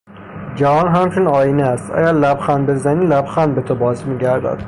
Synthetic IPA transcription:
d͡ʒævɒːnɦæmt͡ʃʰunɒːjineæst̪ʔæ̰ɟæɾlæbxænbe̞zæniːlæbxænbet̪ʰobɒːzmiːɟæɾd̪æ̰d̪̥

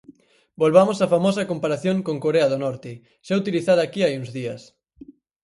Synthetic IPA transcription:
bolβamosafamɔsɐkompaɾaθjõŋkõŋkoɾeɐðonɔɾt̪ɪ | ʃɛut̪iliθaðɐːkiajuŋzðiɐs

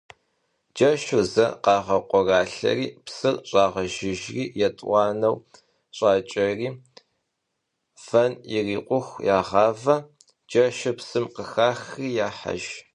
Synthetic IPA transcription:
d͡ʒɐʃɨzɐ̰qɑːʁɐqʷʼɔraːɬɐ̰riːpsɨrɕʼɑːʁɐʒɪʒriːjɛtʼwʷɑːnɐw | ɕʼɑːt͡ʃʼɐriː | fɐniriːqʷʊxʷjaːʁɑːvɐ | d͡ʒɐʃɐpsɨmqəxaːxriːjaːħa̰ʒ

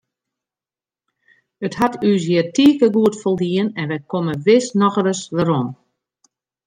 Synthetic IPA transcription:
əthatʰys̬jɪətiːkəɡuətfolˠdiənɛnʋɛjkoməʋɪsnɔxəɾəsdəɾom

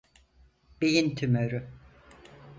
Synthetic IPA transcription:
b̥ejint̪ʰymøɾy

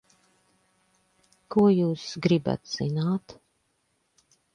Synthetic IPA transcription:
kuɔjuːsɡɾiba̰t̪z̥inaːt̪

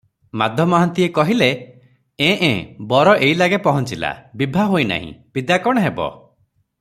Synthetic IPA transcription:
mad̪ʱjɔmɔaɦant̪iekɔɦile | ẽʔḛ̃bɔɾɔʔejlaɡepɔɦɔnt͡ʃila̰bibʱaɦojna̰ɦḭ̃b̥id̪akɔɽ̃ɔɦebɔ̰

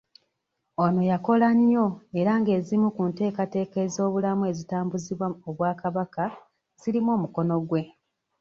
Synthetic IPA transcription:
ono̞jako̞laɲjo̞e̞ɾaŋɡe̞ːzimukunte̞ːkate̞ːkeːzo̞ːβulamue̞zitaːmbuziβwaoβwaːkaβaka | z̥ilimo̞ːmuko̞no̞ɡwe̞

